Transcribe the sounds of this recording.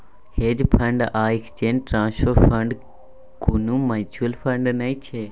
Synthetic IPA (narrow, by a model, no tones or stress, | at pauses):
heːd͡ʒpʰə̃ɳɖaːɪkst͡ʃeːnʈɾãːnsoːpə̃ɳɖ | kunũmət͡ʃʰuəlpʰə̃ɳɖnɐĩt͡ʃʰeː